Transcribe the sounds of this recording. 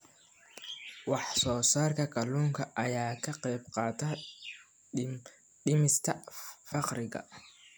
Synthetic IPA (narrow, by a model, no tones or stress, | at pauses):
wɑħsɔːsaːrkʰɐkʰɐluːŋkʰɐʔɐjaːkʰɐqɛjbqɑːt̪ʰɐ | ɖɪmɪst̪ʰɐfɑqɾɪɣɐ̰